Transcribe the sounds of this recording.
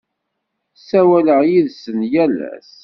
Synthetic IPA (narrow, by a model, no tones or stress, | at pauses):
sæwæləʁjiðsənjælæ̰s